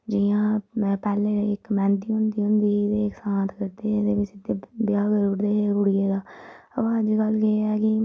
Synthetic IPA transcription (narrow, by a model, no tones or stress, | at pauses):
d͡ʒijãːpɛːleːɪkmɛ̃ːnd̪iːɦʊ̃nd̪iːɦʊ̃nd̪iːd̪eːksãːt̪kəɾd̪eːed̪eːbɪt͡ʃɪt̪ːeːbjaːɡəɾʊɽd̪eːeːɡʊɽɪjeːd̪aː | əʋaːd͡ʒɡəlkeeɛːkɪ